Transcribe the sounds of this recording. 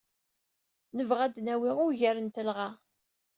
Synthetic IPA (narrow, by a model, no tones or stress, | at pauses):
nəvʁæd̪næwiʁʊɾʝæɾənt̪əlʁa